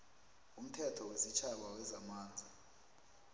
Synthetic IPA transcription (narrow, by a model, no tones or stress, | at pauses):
um̩tʰɛtʰɔwezit͡ʃʰaɓ̬awɛzamaːnd͡zʱi